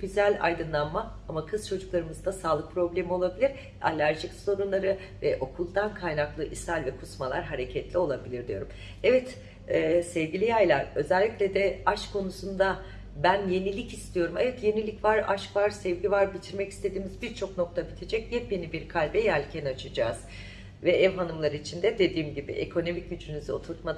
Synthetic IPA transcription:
ɡyzælʲa̰jd̪ɯnlˠanma | amakʰɯz̥t͡ʃʰo̞d͡ʒuklˠaɾɯmɯzd̪asaːlˠɯk̚pʰɾo̞blʲe̞mio̞lˠabilʲiɾ | a̰lʲæɾʒicso̞ɾunlˠaɾɯ | vɛʔo̞kʰulˠd̪ankʰajnaklˠɯʔisalʲvɛkʰusmalˠaɾɦaɾe̞cʰɛt̪lʲio̞lˠabilʲiɾd̪ijo̞ɾum | ɛvɛt̪ː | sɛvɟʲilʲijajlˠaɾø̞zɛlʲːicʲlʲɛd̪ɛaʃkʰo̞nusund̪a | bænje̞nilʲicist̪ʰijo̞ɾumɛvɛt̪je̞nilʲicvaɾa̰ʃkvaɾsɛvɟivaɾbit̪ʰiɾmɛcist̪ʰe̞d̪iːmizbiɾt͡ʃʰo̞kno̞k̚t̪ʰabit̪ʰe̞d͡ʒɛc̚jɛp̚be̞nibiɾkʰalʲbɛjælʲcʰɛnat͡ʃʰɯd͡ʒaːz̥ | vɛʔɛvɦanɯmlˠaɾɯit͡ʃʰind̪ɛd̪e̞d̪iːmɟibḭʔḛkʰo̞no̞mic̚ɟyd͡ʒynyzyo̞t̪ʰuɾt̪mad̪

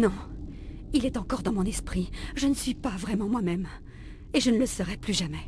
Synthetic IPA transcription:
nɔ̃ | ilɛt̪ɑ̃kɔʁd̪ɑ̃mɔ̃nɛspχiʒənəsɥipavʁɛmɑ̃mwamɛm | eʒənələsəʁɛplyʒamɛ

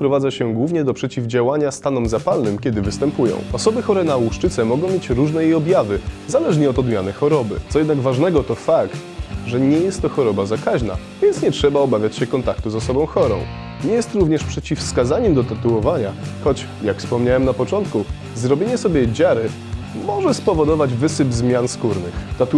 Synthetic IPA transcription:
pɾɔvad̪zaɕɛɡwuvɲɛd̪ɔpʂɛt͡ɕivd͡ʑawaɲast̪anɔmzapalnɘmkʲɛd̪ɘvɘst̪ɛmpujɔ̰̃w̃ɔsɔbɘxɔɾɛnawuʂt͡ʂɘt̪sɛmɔɡɔ̃w̃mʲjet͡ɕɾuʐnɛjejɔbʲjavɘzalɛʐɲɛɔt̪ɔd̪mʲjanɘxɔɾɔbɘ̰t̪sɔjɛd̪naɡvaʐnɛɡɔt̪ɔfakt̪ | ʐɛɲɛjɛst̪ːɔxɔɾɔbazakaʑna̰ | vʲjɛnt̪sɲɛtʂɛbaɔbavʲjat͡ɕɕɛkɔnt̪ak̚t̪uzɔsɔbɔ̃w̃xɔɾɔ̰̃w̃ | ɲɛjɛst̪ɾuvɲɛʂpʂɛt͡ɕifskazaɲɛmd̪ɔt̪at̪uwɔvaɲaxɔt͡ɕ | jakfspɔmɲawɛmnapɔt͡ʂɔnt̪ku | zɾɔbʲjeɲɛsɔbʲjɛd͡ʑaɾɘ | mɔʐɛspɔvɔd̪ɔvad͡ʑvɘsɘbzmʲjanskuɾnɘ̰xt̪at̪u

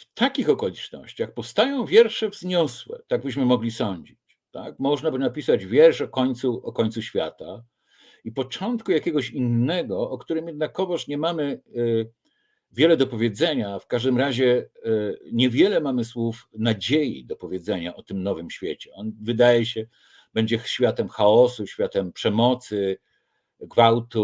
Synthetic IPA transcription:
ft̪ʰakʲixɔkɔlʲit͡ʂnɔ̰ɕt͡ɕaxpɔfst̪ajɔ̃w̃vʲjɛɾʂɛvzɲɔswɛ̰t̪aɡ̚bɘɕ̬mɘmɔɡlʲisɔɲd͡ʑit͡ɕ | t̪a̰k̚mɔʐnabɘnapʲisad͡ʑvʲjɛɾʂɔkɔɲt̪suʔɔkɔɲt̪suɕfʲja̰t̪a | ipɔt͡ʂɔnt̪kujakʲɛɡɔɕinːɛɡɔʔːkt̪uɾɘmjɛd̪nakːɔvɔʂɲɛmamɘ | vʲjɛlɛd̪ɔpɔvʲjɛd̪zɛɲafkaʐd̪ɘmɾaʑɛ | ɲɛvʲjɛlɛmamɘswufnad͡ʑejḭd̪ɔpɔvʲjɛd̪zɛɲaʔɔt̪ɘmnɔvɘmɕfʲjet͡ɕɛɔnvɘd̪ajɛɕɛ | b̥ɛɲd͡ʑɛɕfʲjat̪ɛmxaɔsuɕfʲat̪ɛmpʂɛmɔt̪sɘ | ɡvawt̪u

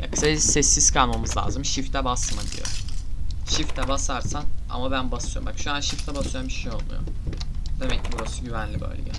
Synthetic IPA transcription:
ja̰kʰɯ̥sasɛsːiz̥kʰalˠmamɯzlˠa̰ːzɯmʃift̪ʰɛbasmad̪iḭjo̰ | ʃift̪ʰɛbasaɾsana̰mabænbasɯjo̰makʃuanʃift̪ʰɛbasujambiʃejo̞lˠmṵjo̰d̪̥e̞mɛcʰːibuɾasuɟyvænlʲibø̰jlʲḛjɛ

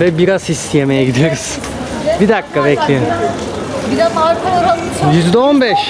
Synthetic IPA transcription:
vɛbiɾazist̪ʰijemejɛɡɟid̪iɾyz̥ | bid̪akːabɛclʲi | biɛmaɾkooɾa | jyzd̪ɛonbɛʃ

